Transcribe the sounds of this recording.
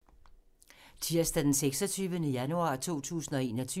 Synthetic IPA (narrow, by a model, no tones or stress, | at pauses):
t͡sʰiɐsd̥æd̥enseɡ̥sɒ̽t͡sʰyːʋənəjænuɑ̈ːt͡sʰo̝̰ːt͡sʰṵːsn̩ɒ̽e̝ːnɒ̽t͡sʰy